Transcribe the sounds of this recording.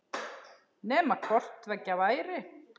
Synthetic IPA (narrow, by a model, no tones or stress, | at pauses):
nɛːmakʰɔr̥t̪vɛcːavaːjɾɪ